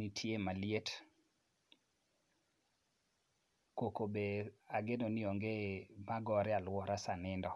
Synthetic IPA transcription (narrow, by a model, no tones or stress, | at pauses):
nitʰjemaljet | kokobeaɡenoniɔŋɡemaɡɔɾɛalwɔɾasanɪndɔ